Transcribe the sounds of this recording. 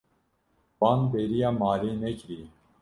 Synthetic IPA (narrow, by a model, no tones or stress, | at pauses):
baːnbeːɾijaːmaːɾiːnekɾiː